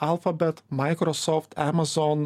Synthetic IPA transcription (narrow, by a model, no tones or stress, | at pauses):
ælˠfɐbʲɛt̪mɑɪkɾɔsɔːft̪æmɐzɔn